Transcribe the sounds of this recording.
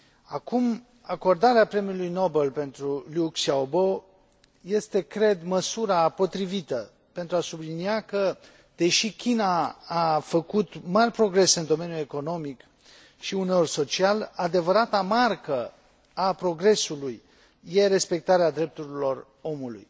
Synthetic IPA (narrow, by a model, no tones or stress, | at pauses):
akum | ako̞rd̪aɾeapɾe̞miulujno̞be̞lpe̞nt̪ɾuliuksiaobo̞ | je̞st̪e̞kɾe̞d̪məsuɾapo̞t̪ɾivit̪ə | pe̞nt̪ɾuasubliniakə | d̪e̞ʃikʲinaː | fəkut̪marʲpɾo̞ɡɾe̞sɨnd̪o̞me̞njue̞ko̞no̞mik | ʃiune̞o̞rʲso̞t͡ʃialad̪e̞vəɾat̪amarkə | apɾo̞ɡɾe̞sulujː | e̞ɾe̞spe̞k̚t̪aɾead̪ɾe̞p̚t̪uɾilo̞r | o̞mulṵj